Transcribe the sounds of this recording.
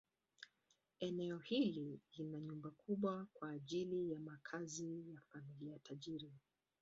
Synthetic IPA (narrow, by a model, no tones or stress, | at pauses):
ɛnɛɔhililinaɲumbakuɓwakwaːʄilijamakʰazijafamiliajatʰaʄiɾi